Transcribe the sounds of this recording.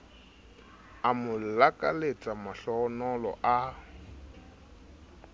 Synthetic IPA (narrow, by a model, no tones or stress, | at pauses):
amʊlakʼa̰let͡sʼamaɬɔnɔlɔ̰ʔa